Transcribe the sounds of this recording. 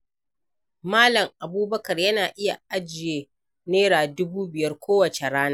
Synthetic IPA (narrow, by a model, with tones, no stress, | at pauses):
maː˦lɐ˨ŋʔa˨buː˦bɐ˦kɐ˨rjɐ˦naː˨ʔɪ˦ja̰˨ʔa˦d͡ʒɪ˨jeː˦ | neː˦ɽaː˨dʊ˦buː˦bɪ˨jɐ˦rkʷʰoː˦wɐ˨t͡ʃe˨ɽaː˦naː˦